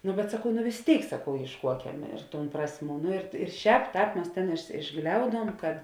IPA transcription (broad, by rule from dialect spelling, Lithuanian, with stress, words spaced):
nʊ bʲɛt sɐˈkɐʊ nʊ ʋʲɪs ˈtʲeːɪk sɐˈkɐʊ eːɪʃˈkuɔkʲɛm ɪr tuːn ˈprɑːsʲˌmʲuː nʊ ɪr ɪr ˈʃʲɛːp ˈtɑːp ˈmʲɛs tʲeːn ɪʒˈɡlʲɛʊduɔm kɐt